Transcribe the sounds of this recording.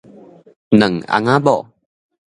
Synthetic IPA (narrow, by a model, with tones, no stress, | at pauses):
nə˨ŋa̰˨ŋabɔ˨